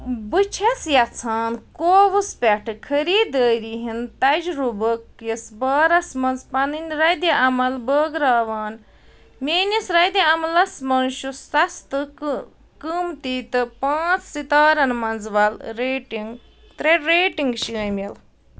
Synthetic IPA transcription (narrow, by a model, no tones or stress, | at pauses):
bɨt͡ʃʰɐsjɐt͡sʰaːnkoːʋɨspʲɐʈʰɨkʰɐɾiːd̪əːɾiɦint̪ɐd͡ʒɾubəkːjisbaːɾɐsmɐnzpɐnɨnʲɾɐd̪iʔɐmɐlbəːɡɾaːʋaːn | mʲeːnisɾɐjd̪jiɐmɐlɐsmɐnʃusɐst̪ɨ | kəmt̪it̪ɨpãːt͡sʰsit̪aːɾɐnmɐnzʋɐlɾeːʈiŋɡ | t̪ɾeɖɾeːʈiŋɡʃiəmʲil